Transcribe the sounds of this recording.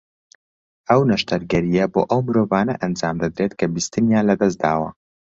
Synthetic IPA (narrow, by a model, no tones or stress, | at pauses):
ɐwnɐʃt̪ɐɾɡɐɾijɐboːʔɐwmɨɾoːvaːnɐʔɐnd͡ʒaːmd̪ɐd̪ɾet̪kʰɐbist̪ɨnjaːnlɐd̪ɐsd̪a̰ːwɐ̰